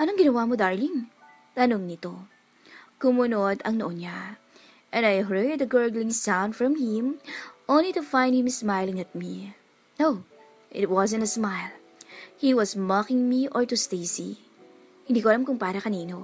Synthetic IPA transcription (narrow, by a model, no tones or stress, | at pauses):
ʔɐnoŋɡɪnɐwamod̪aɹliŋ | t̪ɐnoŋnɪt̪o̞ | kʊmʊnod̪ɐŋnoʔonɲa | ʔɛ̃nd̪ajɦɜd̪ɐɡɛɹɡlɪ̃ŋsãwndfɹɐ̃mhɪ̃mʔõwnlit̪ʊfãjnd̪̚hɪ̃msmajlɪ̃ŋɐt̪̚mi | now | ʔɪt̪̚wɔzɛ̃nt̪ɐsmajl | hiwɐsmɔkɪŋmiʔoɹt̪ust̪ejsi | hɪndiːkoɐlamkʊŋpaːɾɐkɐniːno